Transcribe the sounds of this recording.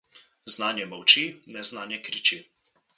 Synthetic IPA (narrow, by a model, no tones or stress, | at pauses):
znaːnjɛmɐwt͡ʃinɛznaːnjɛkɾit͡ʃi